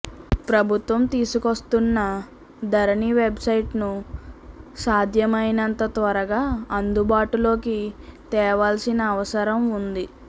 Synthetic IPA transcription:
pɾɐbʱut̪ʋɐmt̪iːsukost̪unːɐ | d̪ɐɾɐniʋe̞bsɐjʈnu | saːd̪ʱjɐmɐjnɐnt̪ɐt̪ʋɐɾɐɡaːɐnd̪ubaːʈulo̞ːkit̪ɛːʋaːlsinɐːʋɐsɐɾɐmund̪i

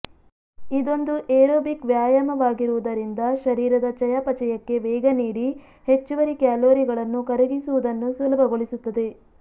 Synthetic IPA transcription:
id̪o̞nd̪uʔeːɾoːbikʋjaːjɐmɐʋaːɡiɾuʋud̪ɐɾind̪ɐʃɐɾiːɾɐd̪ɐt͡ʃɐjapɐt͡ʃɐjɐkːe̞ʋɛːɡɐniːɽi | he̞t͡ʃːuʋɐɾikjaːloːɾiɡɐɭɐnːukɐɾeɡisuʋud̪ɐnːusulɐbʱɐɡoɭisut̪ːɐd̪e̞

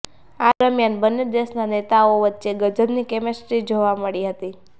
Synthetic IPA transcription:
ad̪əmjanbənːed̪eʃnanet̪aoʋətːʃeɡəd͡ʒədnikɛmesʈɾid͡ʒoʋaməɭiɦət̪i

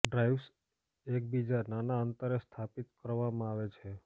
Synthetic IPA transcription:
ɖɾaiʋs | ek̚bid͡ʒananaənt̪əɾest̪ʰapit̪kəɾʋamãaʋet͡ʃʰe

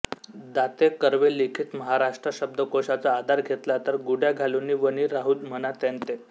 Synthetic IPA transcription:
d̪at̪ekəɾʋelikʰiːt̪məɦaɾaʂʈɾəɕəb̚d̪əkoɕat͡saːd̪ʱaɾɡʱet̪lat̪əɾɡuɽjaɡʱaluniːʋəniɾaɦuːd̪m̤ənat̪ẽnt̪e

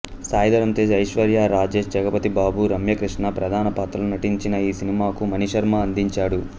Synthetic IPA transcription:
saːjd̪ɐɾɐnt̪eːd͡ʒɐjʂʋɐɾjaːɾaːd͡ʒe̞ːʃd͡ʒɐɡɐpɐt̪ibaːbuɾɐmjɐkɾiʂɳɐpɾɐd̪ʱaːnɐpaːt̪ɾɐlunɐʈiɲt͡ʃinɐiːsinimaːkumɐniʂɐɾmaːɐnd̪iɲt͡ʃaːɽu

